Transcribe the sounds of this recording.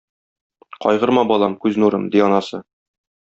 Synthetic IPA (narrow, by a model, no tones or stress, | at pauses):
qɒ̰jʁɤ̆ɾmɑbɒlˠɑmkʉznuɾɤmd̪iɒnɑsɤ